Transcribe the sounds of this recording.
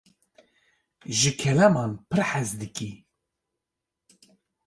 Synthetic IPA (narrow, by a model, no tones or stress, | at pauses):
ʒɨkʰɛlɛmɑːnpʰɨɾħæzd̪ɨkʼi